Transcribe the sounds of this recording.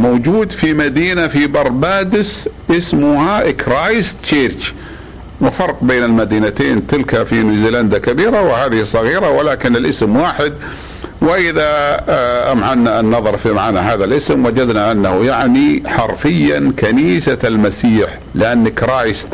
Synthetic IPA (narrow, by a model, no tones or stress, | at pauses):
mowd͡ʒuːd̪fimad̪iːnafibɑɾˤbaːd̪ɪsʔɪsmʊhakɾaːjst̪t͡ʃeːɾt͡ʃ | wɪfɑɾˤqbeːnɪlmad̪iːnat̪eːnt̪ɪlkafinuziːland̪akabiːɾawɪhaːðɪhisˤːɑɣiːɾawɪlaːkɪnɪlʔɪsmwaːħɪd̪ | wɪʔɪða | ʔamʕanːaʔnːɑðˤɑɾˤfimaʕaːnaɦaːðalʔɪsmwad͡ʒad̪naʔanːahjaʕniħɑɾˤfɪjːa̰nkaniːsalmasiːħ | lɪʔanːɪkɾaːjst̪